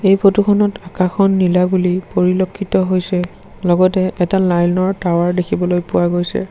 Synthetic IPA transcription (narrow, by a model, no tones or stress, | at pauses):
ejpʰotukʰɔnɔtakaxɔnːilabulipoɹilɔkʰːitɔɦojsɛ | lɔɡɔtɛʔɛtalajlnɔɹtawaɹdekʰibɔlojpʊwaɡojsɛ̰